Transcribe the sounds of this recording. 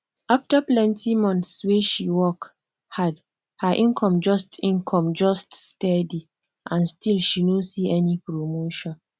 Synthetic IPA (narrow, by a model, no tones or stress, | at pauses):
aftəplɛ̃ntimɔ̃nθsweʃiwɔk | had | həʔĩnkʰɔ̃md͡ʒɔstĩnkʰɔ̃md͡ʒɔststɛdi | ʔãnstilʃinõsiɛnipɹomoʃɔ̃n